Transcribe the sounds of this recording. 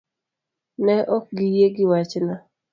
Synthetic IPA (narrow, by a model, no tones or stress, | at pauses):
nɛʔɔk̚ɡijeɡɪwat͡ʃna